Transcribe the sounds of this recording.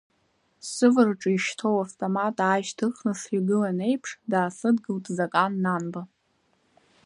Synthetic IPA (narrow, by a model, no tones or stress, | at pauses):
sɨvɨrʈ͡ʂʼiʃtʰo̞waftʼomatʼaːʃtʰɨχnɨʂriɡɨlane̞jpʰʂdaːsɨdɡɨltʼzakʼanːanba